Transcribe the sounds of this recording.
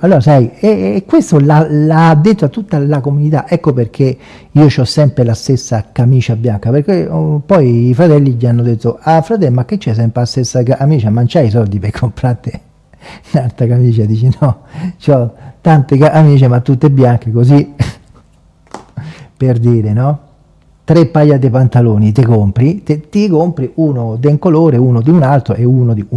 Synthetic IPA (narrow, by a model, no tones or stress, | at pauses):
alːoːɾasajɛkːwest̪olalaad̪ːet̪ːoat̪ːut̪ːalakomunit̪aʔɛkːoperk̟ʰe | iːot͡ʃɔsːɛmpɾelast̪esːakamiːt͡ʃabjaŋkaperkepɔjifɾat̪ɛlːid͡ʒianːod̪et̪ːoafɾat̪ɛlmakːet͡ʃːɛs̬ɛmpɾelast̪esːakaʔamiːt͡ʃamant͡ʃais̬ɔld̪ipekʰːompɾat̪ːe | nant̪akamiːt͡ʃad̪iːt͡ʃinɔt͡ʃɔt̪ant̪ekaʔamiːt͡ʃemat̪ːut̪ːebːjaŋkekosi | perd̪iːɾenɔ | t̪ɾepːajat̪ːepant̪aloːnit̪ekompɾit̪et̪ikompɾiʔuːnod̪eŋkoloːɾeuːnod̪iunalt̪ɾoʔeuːnod̪iu